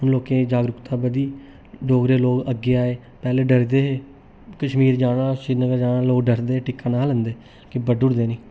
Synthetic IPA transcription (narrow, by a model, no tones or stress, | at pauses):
ɦʊnloːkẽːd͡ʒaːɡɾʊkt̪ãːbəd̪iː | ɖoːɡɾeːloːkəɡːeːaːeː | pɛːleːɖəɾd̪eːɦeː | kəʃmiːɾd͡ʒaːɽãːʃɪɾnəkəd͡ʒaːɽaːloːkɖəɾd̪eːeːʈɪkːãːnaːlənd̪eː | kɪbəɖʊɽd̪eːnĩː